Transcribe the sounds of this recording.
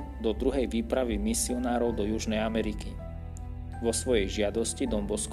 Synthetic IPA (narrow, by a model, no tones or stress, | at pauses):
d̪ɔd̪ɾuɦɛjʋiːpɾaʋimisiɔnaːɾɔʊd̪ɔjuʒnɛjamɛɾiki | ʋɔsʋɔjɛjʒɪad̪ɔscid̪ɔmbɔsk